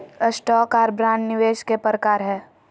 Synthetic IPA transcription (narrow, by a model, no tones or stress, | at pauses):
əsʈɔːkaːɾbɾãːɳnɪʋeːʃkepɾəkaːɾɦɛː